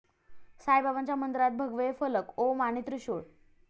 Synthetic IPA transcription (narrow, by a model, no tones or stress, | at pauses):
sajbabaɲt͡ɕjamənd̪ɾat̪̚bʱəɡʋefələkomañit̪ɾəɕoɽ